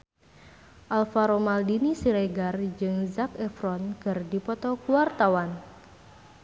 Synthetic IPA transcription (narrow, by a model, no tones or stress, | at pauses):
ʔalfaɾomaldinisiɾeɡard͡ʒɨŋzakɛfɾɔnkɨrdipɔt̪ɔkuwart̪awan